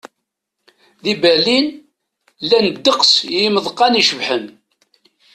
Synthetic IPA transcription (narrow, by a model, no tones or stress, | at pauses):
ðibælin | lænd̪ːəqsjiməðˤqːɑniʃəvħən